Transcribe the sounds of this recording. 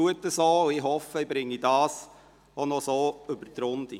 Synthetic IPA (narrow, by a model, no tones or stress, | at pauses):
uətːəsoːwɪɦɔfəibɾɪŋːidɑːs | onɔsoːɵbəɾt̪ɾʊnd̥̪ḭ